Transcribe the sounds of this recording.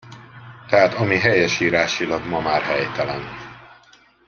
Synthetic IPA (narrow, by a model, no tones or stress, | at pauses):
t̪ɛɦaːt̪ɒmiɦɛjɛʃiːɾaːʃilɒɡmɒmaːrɦɛjt̪ɛlɛn